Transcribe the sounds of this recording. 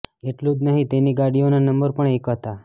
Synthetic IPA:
eʈlũd͡ʒnəɦĩt̪eniɡaɽijonanəmbəɾpəɳekɦət̪a

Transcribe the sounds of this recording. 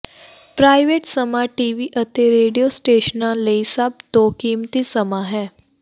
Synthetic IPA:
pɾaːɪʋeːʈsəmaːʈiːʋiːʔət̪eɾeːɖijoːsʈeːʃənãːləisəb̚d̪oːkiːmt̪isəmãːɦɛː

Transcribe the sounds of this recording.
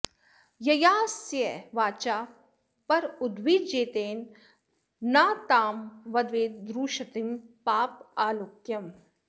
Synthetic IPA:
jɐjaːsjeʋaːt͡ʃaː | pɐɾʊd̪ʋiːd͡ʒeːt̪eːnː | aːt̪aːmʋɐd̪ʋeːd̪ɾuːʃɐt̪impaːpaːlukjɐm

